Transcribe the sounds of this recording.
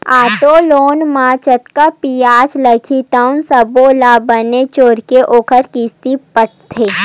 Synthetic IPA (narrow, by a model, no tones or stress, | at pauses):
aːt̪oloːnmãt͡ʃət̪kapijaːsləkʰit̪aʊnsəbolabənet͡ʃoːɾkeʔoːkʰəɾkiːst̪ipəʈ̚ʰt̪ʰeː